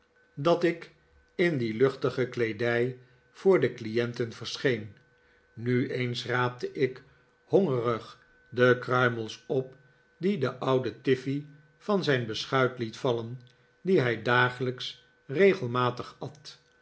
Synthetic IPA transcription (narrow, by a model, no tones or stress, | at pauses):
dɑtɪk | ɪndilɵχtəχəklejdɛj | v̥ʊːɹdəklijɛntənvəɹsχejn | nyejnsraːp̚təʔɪk | hɔŋərəχ | dəkrœɥməlˠsɔp̚ | didəʔʌwdətɪfi | vɑnzɛjnbəsχœɥtlitfɑlən | diɦɛjdaːχələks | rejχəlˠmaːtəχɑt